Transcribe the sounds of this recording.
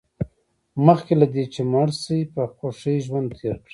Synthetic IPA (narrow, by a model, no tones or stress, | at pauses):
məxkelad̪et͡ʃemaɽsipəxoʂiʒwand̪̚t̪ʰeɾkɽi̥